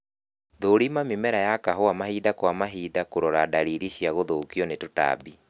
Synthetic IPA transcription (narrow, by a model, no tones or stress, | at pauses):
ðoːɾimamimɛɾajakaɦoamahidakwamaɦiːdakoɾɔɾadaɾiɾiɕiaɣoðokiɔnetota̰bi